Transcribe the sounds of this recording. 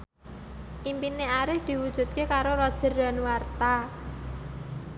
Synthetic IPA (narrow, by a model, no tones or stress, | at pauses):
ʔimpineaɾɪhd̪̥i̤wud̥ʒ̥ṳt̪̚kekaɾoɾɔd̥ʒ̥ə̤rda̤nwart̪a